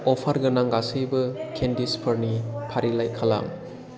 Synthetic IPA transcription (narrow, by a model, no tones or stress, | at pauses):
ɔpʰaɾɡɯnaŋɡasɯjbɯkʰendispʰəɾnipʰaɾilajkʰala̰ŋ